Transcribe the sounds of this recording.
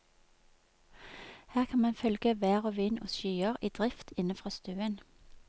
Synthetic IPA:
hæːʁkʰɑnmɑnfœlɡ̥əʋæːʁoːʋiːno̰ːsʃyːəʁiːd̪̥ʁɪft̪ʰɪnəfʁɑːst̪ʉːən

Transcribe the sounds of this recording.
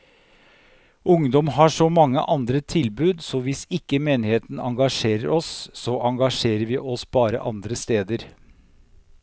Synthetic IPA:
ʊŋd̪ɔmɦɑːʂɔmɑŋːə̰ʔɑnd̪ɾət̪ʰɪlbʉːd̪sɔʋɪsɪkːəmeːnɪheːt̪n̩ɑŋɡɑʂeːɾəɾʔɔsːɔʔɑŋɡɑʂeːɾəɾʋɪːʔɔsb̥ɑːɾə̰ʔɑ̰nd̪ɾəst̪eːd̪əɾ

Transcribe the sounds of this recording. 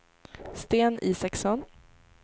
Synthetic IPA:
st̪eːnʔiːsɛksɔn

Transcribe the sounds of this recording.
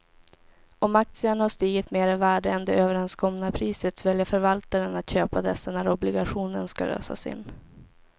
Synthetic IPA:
ʔɔmak̚t̪sɪəɳahaʂt̪iːɡɪt̪meːɾɪvæːɖəɛnd̪ɛøːvəɾɛnskɔmnapʰɾiːsət̪vɛljafœɾvalt̪aɾənat̪ɕøːpad̪ɛsːanæɾɔblɪɡaɧuːnənska̰lø̰ːsa̰sɪ̰nː

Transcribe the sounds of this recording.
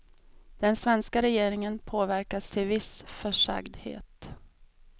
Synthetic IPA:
d̪̥ɛnsvɛnskaɾɛjeːɾɪŋənpʰoːvæɾkast̪ʰɪlvɪsfœʂa̰ɡd̪hḛːt̪

